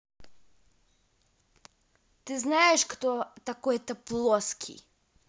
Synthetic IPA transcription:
t̪iznaɛʃkt̪ɔt̪akɔɛt̪ɛplˠɔskʰḭ

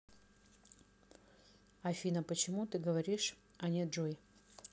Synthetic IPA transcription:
ɐfʲinəpət͡ɕɪmut̪ɨɡəvɐɾʲiʂ | ɐnʲeʐoɪ

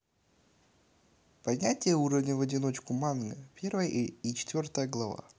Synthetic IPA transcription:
pɐdʲnʲætʲɪjəuɾəvnʲəvɐdʲɪno̞t͡ɕkʊmanɡəpʲe̞rvəjəʔit͡ɕɪ̥t̪vʲo̞rt̪əjəɡlˠɐva̰

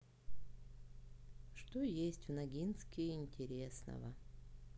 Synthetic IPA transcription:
ʂt̪ojesʲtʲvnɐɡʲinskʲɪɪnʲtʲɪɾʲesnə̰və

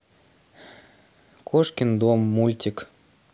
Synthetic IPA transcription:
kʰoʃkʲind̪omːulʲtʲik

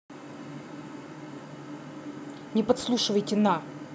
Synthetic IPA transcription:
nʲɪpɐt̪slˠuʂɨvəjtʲɪna

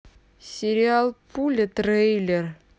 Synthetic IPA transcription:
sʲeɾʲialˠpʰulʲɘt̪rejlʲer

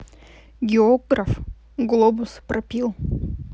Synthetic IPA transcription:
ɡʲɪoɡɾɐf | ɡlˠobʊspɾʔɐpʲilˠ

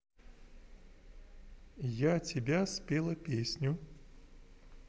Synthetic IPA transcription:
jatʲɪbʲasʲpʲelˠəpʲesʲnʲʊ

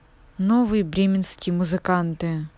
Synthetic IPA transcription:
novɨjəbɾʲemʲɪnskʲɪjəmʊzɨkant̪ɨ

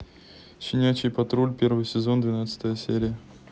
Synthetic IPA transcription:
ɕʲɪnʲæt͡ɕɪjpɐt̪ɾolʲpʲe̞rvɨjsʲɪzo̞nd̪vʲɪnat̪sɨ̥t̪əjəsʲeɾʲɪjə

